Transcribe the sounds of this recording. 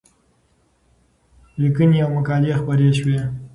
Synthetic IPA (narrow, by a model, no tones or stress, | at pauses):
likəniawmakɑlexpəɾeʃwe